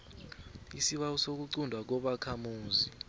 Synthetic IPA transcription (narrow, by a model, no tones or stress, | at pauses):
isiɓawusok̬uǀundʱwak̬ɔɓakʰamuːzi